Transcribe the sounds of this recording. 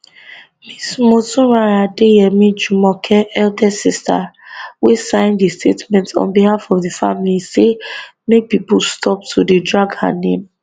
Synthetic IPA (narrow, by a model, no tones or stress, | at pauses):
mismotũɹaɹadejɛmĩd͡ʒumɔkʰɛɛldɛsistʰa̰wesãɪ̃ndistʰetmɛ̃ntʰɔ̰̃nbihafɔvdifamilisemepipulstʰɔp̚tʰudedɹaɡha̰nḛ̃m